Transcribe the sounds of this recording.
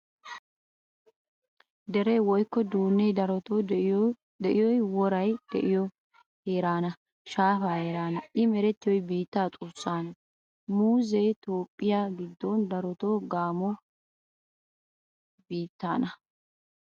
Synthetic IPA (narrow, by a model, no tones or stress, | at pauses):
d̪ɛɾeːwɔjkːɔd̪uːnːejɾ | d̪ɛʔɪjɔjwɔɾɐjd̪̥ɛ̰ʔɪjɔ | heːɾaːnɐ | ʃaːfaːeːɾaːnɐʔɪmɛɾɛt̪ːɪjɔjbiːt̪ːaːt̪ʼʊsːaːnɐ | muːzet̪o̞ːpʼːɪjaːɡɪd̪ːɔnd̪ɐɾɔt̪oːɡaːmɔ | biːt̪ːaːnɐ